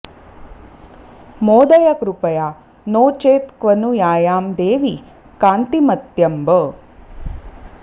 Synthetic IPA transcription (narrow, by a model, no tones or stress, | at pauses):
moːd̪ɐjɐkɾupɐjaː | noːt͡ʃeːt̪kʋɐnujaːjaːmd̪eːʋi | kaːnt̪imɐt̪jɐmbə